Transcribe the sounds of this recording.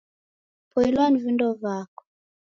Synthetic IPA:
pʰɔilwanivindɔvakɔ̥

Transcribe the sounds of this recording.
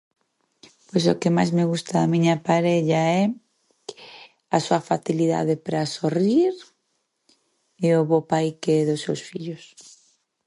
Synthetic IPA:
pojsokɪma̰jzmɪɣust̪aðamĩɲɐpaɾɛʎaɛ | asuɐfaθiliða̰ðɪpɾasoriɾ | eoβopajkeɛðʊsːewsfiʎʊs

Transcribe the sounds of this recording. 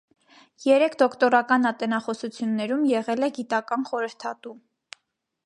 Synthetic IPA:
jɛɾɛkʰd̪ɔkʰt̪ɔɾɑkɑnɑt̪ɛnɑχɔsut͡sʰjunːɛɾumjɛʁɛlɛɡit̪ɑkɑnχɔɾəɾt̪ʰɑt̪u

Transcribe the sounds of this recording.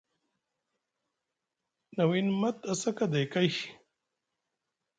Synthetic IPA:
nɐwinmɐt̪ɐsɐkɐd̪ekaj

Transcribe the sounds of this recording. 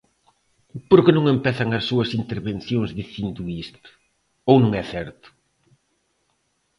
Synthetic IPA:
poɾkɪnõŋẽmpɛθɐŋɐsːuɐsint̪eɾβen̟θjoŋzðiθind̪ʊist̪ʊ̥ | ownũŋɛθɛɾt̪ʊ̥

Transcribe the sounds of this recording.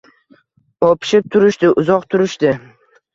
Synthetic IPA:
opʰɪ̥ʃɪp̚t̪ʰʊɾɪʃt̪ɪʔʊzɒqt̪ʰʊɾɪʃt̪ɪ

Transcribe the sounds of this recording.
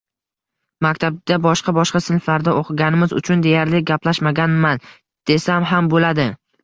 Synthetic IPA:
makʲt̪ʰab̚d̪̥abɒʃqɑbɒʃqɑsɪnflaɾd̪aʔoqʰɨɡʲanɪmɪzʊ̰t͡ʃʰʊnd̪e̞jaɾlɪɡʲaplaʃmaɡʲanman | d̪̥e̞samɦambolad̪ɪ

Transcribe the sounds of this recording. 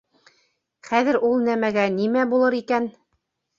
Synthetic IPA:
χæðɘ̆ɾulˠnæmæɡænimæbulˠɤɾikæn

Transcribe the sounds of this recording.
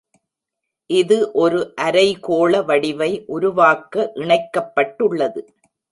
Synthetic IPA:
ʔɪðɯʔɔɾɯʔɐɾɐɪkoːɭɐʋɐɽɪʋɐɪʔʊɾʊʋaːkːɐʔɪɳɐɪkːɐpːɐʈːɯɭːɐðɯ

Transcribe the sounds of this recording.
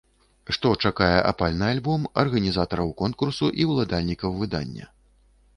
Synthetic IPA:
ʂt̪ɔt͡ʂakajɛʔa̰palʲnɨalʲbɔmɐrɣɐnʲizat̪ɐɾɐwkɔnkursuʔiwlˠad̪alʲnʲikɐwvɨd̪a̰nʲːɐ̰

